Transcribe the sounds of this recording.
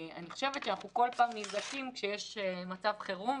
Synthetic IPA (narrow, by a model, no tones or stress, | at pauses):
a̰niχo̞ʃe̞vet̪ʃeanaχnuko̞lpaːmnisdakimkʃejeʃmat͡savχeʁu